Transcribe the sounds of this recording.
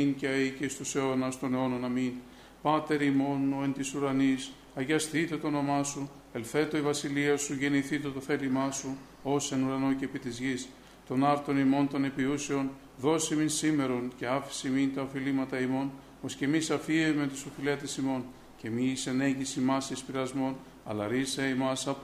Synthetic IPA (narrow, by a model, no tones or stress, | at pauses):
inceɐicest̪useonɐst̪o̞neo̞nonɐmin | pɐt̪e̞ɾimo̞noent̪isuɾɐnis | ɐʝɐsθit̪e̞t̪oono̞mɐsu | elθe̞t̪o̞ivɐsiliɐsuʝe̞niθit̪e̞t̪o̞θe̞limɐsu | o̞senuɾɐno̞cepit̪izʝis | t̪o̞nɐɾt̪o̞nimo̞nt̪o̞ne̞piuseo̞n | ðo̞siminsime̞ɾo̞nce̞ɐfi̥simint̪ɐofilimɐt̪ɐimo̞n | o̞sce̞misɐfiemet̪isofilet̪esimo̞n | ce̞misene̞ɲɟisimɐsspiɾɐzmo̞n | ɐ̰lɐɾiseimɐsɐp